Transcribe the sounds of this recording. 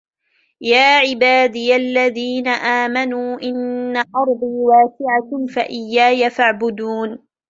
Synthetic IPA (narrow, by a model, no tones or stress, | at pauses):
jaːʕɪbaːd̪ɪjalːaðiːnaʔaːmanuːʔɪnːaʔɑɾˤd̪ˤiːwaːsɪʕakmfaʔɪjːaːjafaʕbʊd̪uːn